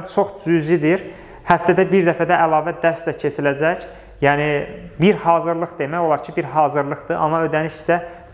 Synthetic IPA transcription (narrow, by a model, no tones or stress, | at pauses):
t͡ʃʰo̞χd͡ʒyzid̪iɾ | hæft̪æd̪æbiɾd̪æfæd̪æʔːlˠɑːvæd̪æɾst̪læcʰe̞t͡ʃʰilæd͡ʒæc | jæːnibiɾhɑːzɯɾlˠɯχd̪e̞mæjolˠɑɾcʰibiɾɦɑːzɯɾlˠɯχd̪ɯʔɑ̰mɑød̪æniʃi̥sæ